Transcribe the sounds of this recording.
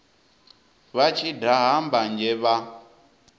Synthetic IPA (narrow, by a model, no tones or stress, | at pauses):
βat͡ʃʰidaɦamband͡ʒɛβa